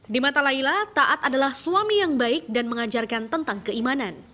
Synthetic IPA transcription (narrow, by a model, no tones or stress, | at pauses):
dimat̪alailat̪aʔat̪adalahsuamijaŋbaɪk̚danməŋad͡ʒarkant̪ənt̪aŋkəimanan